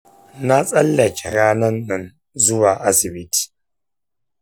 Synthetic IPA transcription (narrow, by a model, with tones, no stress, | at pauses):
na˦t͡sʼɐ˦lːa˨ki˨ɾa˦na˦nːa˨n | zu˦wa˨ʔa˦si˨bi˦ti̥˨